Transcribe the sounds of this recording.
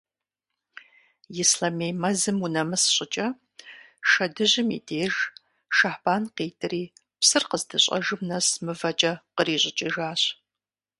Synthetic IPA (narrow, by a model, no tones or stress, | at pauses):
jɪslɐmejmɐzɨmunɐmɨsɕʼɪt͡ʃʼɐ | ʃɐdɨʑɪmḭːdʰeːʒ | ʃaħb̥aːnqeːtʰʼɨriː | psɨrqəzdɨɕʼɐ̰ʒɨmnɐsmɨvɐt͡ʃʼɐqəriːɕʷʼɪt͡ʃʼɪʒaːɕ